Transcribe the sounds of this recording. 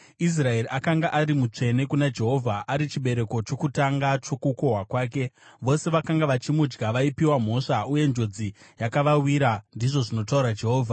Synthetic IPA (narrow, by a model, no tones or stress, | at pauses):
is̬rae̞riakaŋɡaʔaɾimut͡ʂe̞ne̞kunad͡ʒe̞ɦo̞vʱaʔaɾit͡ʃiɓe̞ɾe̞ko̞t͡ʃo̞kutaŋɡat͡ʃo̞kuko̞ɦwakwaːk̬e̞ʋo̞se̞ʋakaŋɡaʋat͡ʃimud͡ʒɡaʋaipiwam̤o̞ʂauje̞nd͡ʒo̞d͡zijakaʋawiɾandiʐo̞ʐino̞tauɾad͡ʒe̞ɦoːvʱa